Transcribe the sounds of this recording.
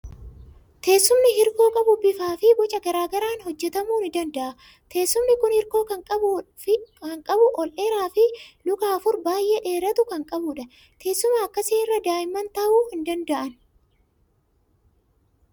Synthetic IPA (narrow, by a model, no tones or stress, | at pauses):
t̪ʰe̞ːsːʊmnɪhɪɾko̞ːkʼɐbʊbɪfaːfɪbɔt͡ʃʼɐɡɐɾaːɡɐɾaːnhɔd͡ʒːɛt̪ɐmuːnɪd̪ɐnd̪ɐʔɐ | t̪ʰe̞ːsːʊmnɪkʊnhɪɾko̞ːkɐŋʼɐb | kɐŋkʼɐbʊʔɔlʔeːɾaːfɪlʊkaːfʊɾbaːjʔeːᶑe̞ːɾɐt̪ʊkɐŋkʼɐbʊᶑɐ | t̪ʰe̞ːsːʊmaɐkːɐsiːɪrːɐd̪aːjɪmːɐnt̪ɐʔuːfhɪnd̪ɐnd̪ɐʔɐn